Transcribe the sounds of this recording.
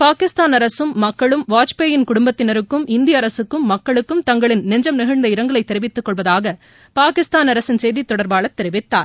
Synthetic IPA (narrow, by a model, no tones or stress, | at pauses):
paːkɪst̪aːnɐɾɐsɯmːɐkːɐɭɯmʋaːt͡ʃpeːjɪnkʊɽʊmbɐt̪ːɪnɐɾɯkːɯmɪnd̪ɪjɐːɾɐsɯkːɯmːɐkːɐɭɯkːɯmt̪ɐŋɡɐɭɪnnɛɲd͡ʒɐmnɪɣɐɻnd̪ɐɪɾɐŋɡɐɭɐɪt̪ːɛɾɪʋɪt̪ːɯkːɔɭʋɐðaːɣɐ | paːkɪst̪aːnɐɾɐsɯnsɛjðit̪ːɔɽɐɾbaːɭɐt̪ːɛɾɪʋɪt̪ːa̰ːɾ